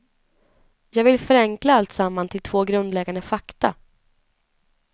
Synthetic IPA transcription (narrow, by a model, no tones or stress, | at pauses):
jɑːɡvɪlfœɾɛŋklaalt̪samːant̪ʰɪlt̪ʰvoːɡɾɵnd̪lɛɡand̪əfakt̪a